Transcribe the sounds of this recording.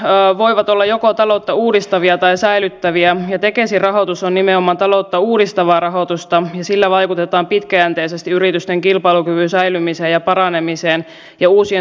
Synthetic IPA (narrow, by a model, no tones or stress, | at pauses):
ʋoiʋɑt̪olːɑjokot̪ɑlot̪ːɑuːdist̪ɑʋiɑt̪ɑisæilyt̪ːæʋiæjɑt̪e̞kesirɑɦot̪usonnimeomːˑɑːnt̪ɑlot̪ːɑuːdist̪ɑʋɑːrɑɦot̪ust̪ɑjɑsilːæʋɑjkut̪et̪ɑːmpit̪kæænt̪eisest̪iyɾit̪yst̪eŋkilpɑilukyʋynsæilymiseːjɑpɑɾɑnemiseːn | jɑuːsie